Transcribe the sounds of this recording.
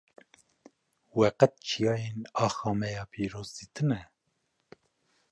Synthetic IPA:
wɛqɛt̪̚t͡ʃʰijɑːjenɑːxɑːmɛjɑːpʰiːɾoːzd̪it̪ʰɨnɛ

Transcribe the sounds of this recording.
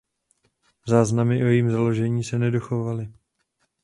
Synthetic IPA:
zaːznamɪʔojiːmzalo̞ʒɛɲiːsɛnɛdoxovalɪ

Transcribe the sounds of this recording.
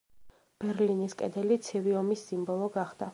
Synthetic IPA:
b̥ɛɾliniskʼɛ̰d̪ɛlit̪sʰiviɔmisːimbɔlˠɔɡaχd̪̥a

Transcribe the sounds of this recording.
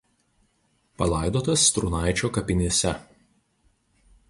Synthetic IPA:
pɐlˠɑɪd̪oːt̪ɐst̪ɾʊnɑˑɪt͡ʃʲoːkɐpʲɪnʲeːsʲɛ

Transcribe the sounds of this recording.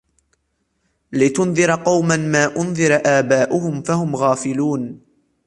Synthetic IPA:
lɪt̪ʊnðɨɾqɑwmanmaːʔʊnðɨɾʔaːbaːʔʊhʊmfahʊmɣaːfɪluːn

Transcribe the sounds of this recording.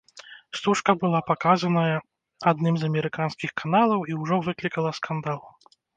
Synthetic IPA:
st̪uʂkɐbɨlˠapakazɐnɐjɐ | ad̪nɨmzɐmʲɛɾɨkanskʲixkʰanalˠɐwiwʐɔvɨklʲikɐlˠɐskand̪alˠ

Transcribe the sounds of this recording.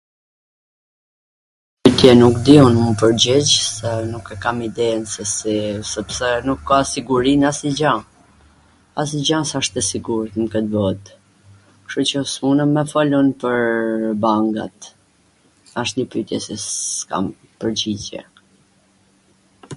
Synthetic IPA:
pyt̪jɛnukd̪iunmupəɾd͡ʑid͡ʑsɛnukɛkamid̪ɛnsɛsisɛpsɛnukːasiɡuɾinasid͡ʑa | as̬id͡ʑansaʃt̪ɛsiɡuɾt̪məkət̪vɔt̪ | kʃut͡ɕəsmunəmɛfɔlɔnpəɾbaŋɡa̰t̪ | aʃt̪ɲəpyt̪jɛ̰sika̰m | pəɾd͡ʑid͡ʑɛ̰

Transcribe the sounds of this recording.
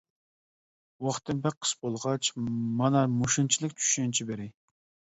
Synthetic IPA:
wɑχt̪ʰːɨnpɛk̚qʰːə̥sbolˠʁɑt͡ʃmɑnɑmuʃunt͡ʃʰilˠɨk̚ʲt͡ʃʰy̥ʃɛnt͡ʃʰibeɾɪ

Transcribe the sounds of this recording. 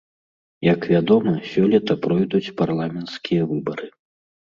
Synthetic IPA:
jɐkvʲad̪ɔmɐsʲɔlʲit̪ɐpɾɔjd̪ut͡sʲparlˠamʲɛnt̪skʲijɐvɨbɐɾɨ

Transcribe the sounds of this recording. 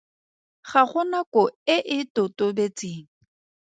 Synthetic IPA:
χaχʊnakɔɪʔɪtʊtʊbet͡sʼeːŋ̩

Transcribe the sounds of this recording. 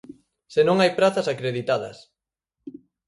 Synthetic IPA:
senõŋajpɾaθɐsakɾeðit̪aðɐ̰s

